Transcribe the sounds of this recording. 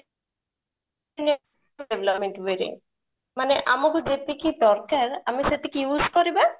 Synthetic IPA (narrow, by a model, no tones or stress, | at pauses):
ne | eblɔp̚mẽɳʈʋeɾḭŋ | maneʔamɔkud͡ʒet̪ekipɔɾkaɾamiset̪ikijuːskɔɾiba